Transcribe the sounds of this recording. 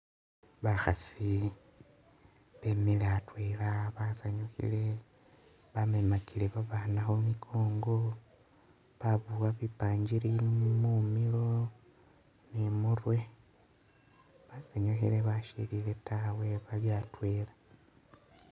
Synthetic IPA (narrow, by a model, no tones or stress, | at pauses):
βaxasi | βemileatweːlaβazaɲoxḭle̞ | βamemakileβaβanaxomikʰo̞ːŋɡo̞ | βaβuwaβipaːɲɟiɾimumilo̞ | nemurwe̞ | βazaɲoxile̞βaʃḭlile̞tawe̞βaljatwe̞lḁ